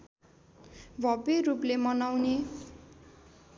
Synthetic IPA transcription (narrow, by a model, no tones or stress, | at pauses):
bʱʌberuplemʌnawne